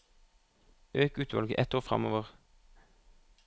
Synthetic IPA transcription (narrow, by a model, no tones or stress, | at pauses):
øːkʉːt̪ʰʋɑ̰lɡəʔɛt̪oːʁfʁɑ̰moːʋəʁ